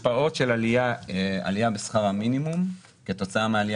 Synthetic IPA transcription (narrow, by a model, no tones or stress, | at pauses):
pao̞tʃelaliaa̰lijabesχaʁhaminimum | ke̞to̞t͡saameali